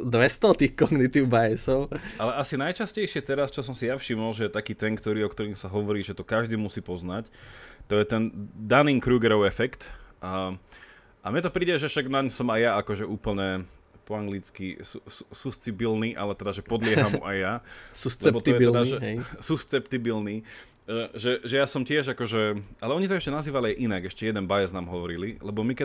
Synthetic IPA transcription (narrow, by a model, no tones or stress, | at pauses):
d̪ʋɛst̪ɔt̪ixkɔŋɡnit̪iʊbajɛsɔʊʔalɛasinajt͡ʃascɛjʃɪɛt̪ɛɾast͡ʃɔs̬ɔmsijafʃimɔlʒɛt̪akiːt̪ɛŋkt̪ɔɾiːɔkt̪ɔɾiːmsaɦɔʋɔɾiːʒɛt̪ɔkaʒd̪iːmusiːpɔznact̪ɔjɛt̪ɛnd̪aniːŋkɾuːɡɛɾɔʊɛfɛkt̪ː | ʔamɲɛt̪ɔpɾiːɟɛʒɛfʃaɡnaɲsɔmajjaakɔʒɛuːpl̩ɲɛ | pɔaŋɡlit͡skisususust͡sibilniʔa̰lɛt̪ɛd̪aʒɛpɔd̪lɪɛɦamuʔajːaslɛɛbɔt̪ɔjɛɛd̪aʒɛsust͡sɛpt̪ibilni | ʒɛʒɛjasɔmcɪɛʒakɔʒɛalɛɔɲit̪ɔɛʃcɛnaziːʋaliajʔinaɡɛʃcɛjɛd̪ɛnbajɛznaːmɦɔʋɔɾililɛbɔmikɛ